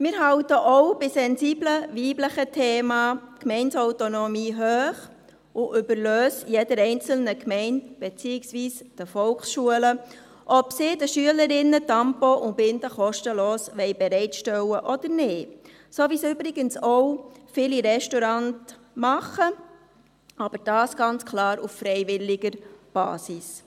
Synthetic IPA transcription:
mɪːɾɦɑʊtəʔɔwbɪsɛnziːbləʋiːbləχətʰeːmɑːkmɛɪnsɔwtonɔmiːɦøːχ | ʔʊʔʏbəɾløːsjedəɾɛɪnt͡sl̩nəkmɛɪntb̥et͡siːɪksʋiːsd̥əfɔlksʃuələ | ʔɔpsɪdəʃyələɾɪnːətɑmpɔʔʊbɪnd̪əχɔʃtəloːsʋɛɪbɛɾɛɪtʃtɛwəʔɔd̥̪ənɪː | soːʋisʏbɾɪɡənsowfɪliɾɛʃtɔɾɑnt | mɑχə | ɑb̥əɾd̥ɑːsɡ̥ɑnt͡skʰlɑːɾuffɾɛɪʋɪlːɪɡəɾb̥ɑ̰ːsis

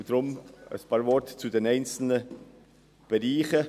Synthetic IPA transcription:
d̥ɾʊmə̰spʰɑːɾvɔɾtt͡sudenɛɪnt͡sl̩nə | b̥ɛʁiːχə

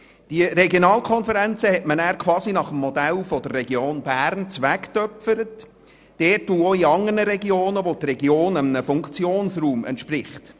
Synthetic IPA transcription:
d̥iəɾɛɡjonɑːlkʰɔnfəɾænt͡səhɛtmənæːɾkʰwɑːsinɑχəmːɔd̪ælfɔd̪ərːɛɡjoːnbæːɾnt͡sʋæktœpfəɾət | d̥ɛːtːuːoiɑŋərnəɾɛɡioːnəʋot̪rɛɡioːnəmənəfʊŋkt͡sjoːnsruːmɛ̰nt̪ʃprɪχt

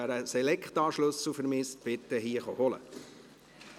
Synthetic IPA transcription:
æɾəsɛlɛkχt̪ɑːʃlɵslfəɾmɪsb̥ɪt̪ːəɦiːəχɔhɔlə̰

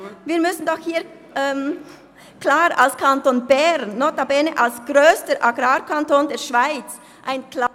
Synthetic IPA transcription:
viːɐɾmʏsn̩dɔxhiːɐ | ʔɛːm | klaːɾa̰lskʰantoːnbɛɾnːɔːtabɛnəʔalsɡ̥ɾøːstəɾʔaɡɾaːɾkʰantoːndɛːʃv̥aɪt͡s | ʔaɪnkla

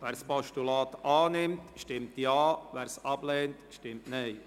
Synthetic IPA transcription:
ʋæːɾspɔʃtulɑːt̪ɑːnɪmtʃtɪmtjɑːvæːɾsɑb̥lɛːntʃtɪmtnɛɪ

